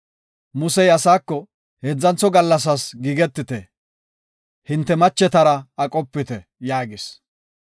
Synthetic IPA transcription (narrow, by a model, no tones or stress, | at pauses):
mʊsɛjɐsaːkːɔ | heːd͡zːɐnt͡sːɔɡɐlːɐs̬ɐsɡiːɡɛt̪ːɪt̪ɛ | hɪnt̪ːɛmɐt͡ʃːɛt̪ɐɾɐɐkʼɔpːɪt̪ɛ | jaːɡɪs